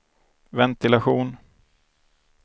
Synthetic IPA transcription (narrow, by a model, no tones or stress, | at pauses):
vɛnt̪ɪlaɧuːn